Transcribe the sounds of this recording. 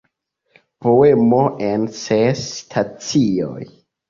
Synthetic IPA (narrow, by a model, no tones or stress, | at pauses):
po̞e̞moʔensestʰat͡sio̰j